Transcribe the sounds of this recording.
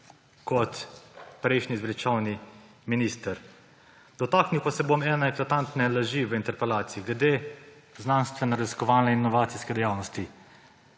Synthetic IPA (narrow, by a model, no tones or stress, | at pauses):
kɔt̪pɾɛjʃnizʋlit͡ʃawni | minist̪əɾ | d̪ɔt̪aːkniwpasɛbomɛːnɛɛklat̪ant̪nɛlaʒiʋəint̪ɛɾpɛlaːt̪siiɡlɛd̪e | znanst̪ʋɛnɛɾaziskɔʋaːnɛinːɔʋaːt̪siskɛd̪ɛjaːwnɔst̪i